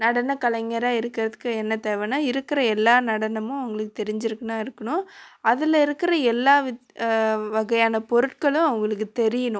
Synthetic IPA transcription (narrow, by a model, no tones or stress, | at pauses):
nɐɽɐnɐkɐɭɐŋɡɐɾaːɪɾɯkːɪɾɐðɯkːɯɛnːɐt̪eːʋɐnaːɪɾɯkːɪɾɐɛlːaːnɐɽɐnɐmʊ̃ɐʋɐŋɡɐɭɯkːɯt̪ɛɾɪɲd͡ʒɪɾɯkːɐnaːɪɾɯkːɐɳʊ̃ɐðɪlɐɪɾɯkːɪɾɐɛlːaːʋɪ | ʋɐɣɐjaːnɐpɔɾɯʈ̚kɐɭʊ̃ɐʋɐŋɡɐɭɯkːɯt̪ɛɾɪjɐnʊ̃